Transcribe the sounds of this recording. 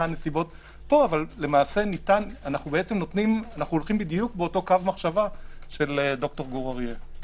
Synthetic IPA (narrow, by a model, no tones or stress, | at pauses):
ane̞sibo̞t | po̞avalle̞maːse̞nit̪ananaχnubeet͡semno̞t̪nimanaχnuolχimbid̪ijuk̚beo̞to̞kavmaχʃavaʃe̞ledo̞kto̞ʁɡoʁaʁje